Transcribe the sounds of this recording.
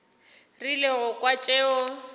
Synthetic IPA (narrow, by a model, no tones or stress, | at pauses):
rilɛɦʊkʼwat͡ʃʼeːɔ